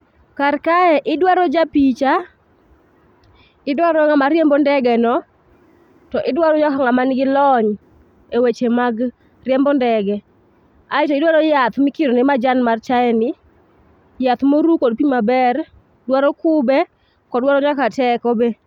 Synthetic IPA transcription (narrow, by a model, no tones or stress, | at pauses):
karkaɛʔɪdwaɾɔd͡ʒapit͡ʃa | ɪdwaɾɔŋamaɾjembɔndɛɡɛnɔ | tɔʔɪdwaɾɔd͡ʒakaŋamanɡɪlɔɲ | ewet͡ʃemaɡ | rjɛmbɔndɛɡɛ | aɪtɔɪdwaɾɔjat̪mɪkɪɾɔnɪmad͡ʒanmart͡ʃaɛnɪ | jat̪moɾukodpiɲmabɛr | dwaɾɔkʊbɛ | kɔdwaɾɔɲakatɛkɔbe